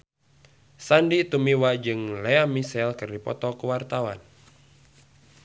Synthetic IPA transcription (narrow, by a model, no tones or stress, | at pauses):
sandit̪umiwad͡ʒɨŋlɛamisɛlkɨrdipɔ̰t̪ɔkuwart̪awan